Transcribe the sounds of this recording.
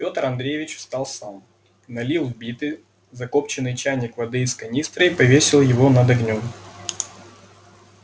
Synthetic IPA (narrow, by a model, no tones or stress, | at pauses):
pʲo̞t̪əɾɐnd̪ɾʲejvʲɪt͡ɕʊ̥st̪ɑlˠsam | nɐlʲilˠvbʲit̪ɨ | zɐko̞pt͡ɕɪnːɨjt͡ɕænʲɪkvɐd̪ɨɪskɐnʲist̪ɾəipɐvʲesʲɪlˠjɪvo̞nɐd̪ɐɡnʲom